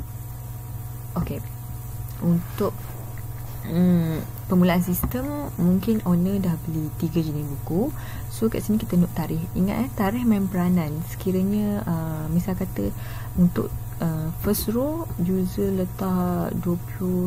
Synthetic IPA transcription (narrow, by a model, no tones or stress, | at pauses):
ʔoke | unt̪ʊʔ̚ | ə | pəmulaʔansist̪əmːuŋkɪnʔonə̃dahbəlit̪iɡəd͡ʒənibuku | soka̰ʔsəniki̥t̪ənʊʔ̚t̪aɾɪhḭŋa̰ʔ̪at̪aɾɪhmãmpəɾanãnsə̥kiɾəɲəəmisalkat̪ə | unt̪ʊ̰ʔ̚ | əfəsrod͡ʒuzələt̪ahduəplu